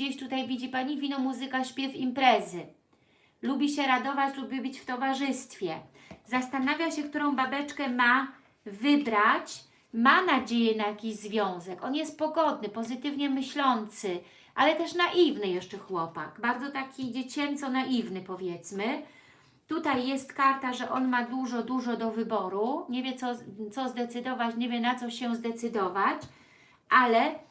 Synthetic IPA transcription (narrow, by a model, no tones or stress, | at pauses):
d͡ʑeɕt̪ut̪ajvʲid͡ʑipaɲivʲinɔmuzɘkaɕpʲjɛfimpɾɛzɘ | lubʲiɕɛɾad̪ɔvat͡ɕlubʲɘbɘt͡ɕft̪ɔvaʐɘst̪fʲjɛ | zast̪anavʲjaɕɛk̚t̪uɾɔ̃w̃babɛt͡ʂkɛma | vɘbɾat͡ɕ | manad͡ʑejɛnajakʲiʑzvʲjɔ̃w̃zɛkɔnjɛst̪̚pɔɡɔd̪nɘpɔzɘt̪ɘvɲɛmɘɕlɔnt̪sɘ | ʔalɛt̪ɛʂnaʔivnɘjɛʂt͡ʂɛxwɔpaɡbaɾd̪zɔt̪akʲid͡ʑet͡ɕɛnt̪sɔnaʔivnɘpɔvʲjɛt̪smɘ | t̪ut̪ajːɛst̪kaɾt̪aʐɛʔɔnmad̪uʐɔd̪uʐɔd̪ɔvɘbɔɾuɲevʲjɛt̪sɔt̪sɔzd̪ɛt̪sɘd̪ɔvat͡ɕɲevʲjɛnat̪sɔɕɛzd̪ɛt̪sɘd̪ɔvat͡ɕ | ʔalɛ